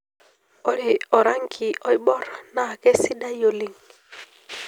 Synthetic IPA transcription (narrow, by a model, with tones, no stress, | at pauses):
ɔ˨ɾi˨ɔ˨ɾa˦ŋkʰi˨ɔ˦i˦ɓɔ˦ɾna˨kɛ˦si˦ɗa˦jo˨li˨ŋ